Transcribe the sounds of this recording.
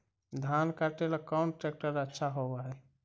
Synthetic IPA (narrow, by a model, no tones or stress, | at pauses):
d̪ʱankaɾʈelakaʊnʈɾek̚ʈəɾətːʃʰaɦobaɦɛ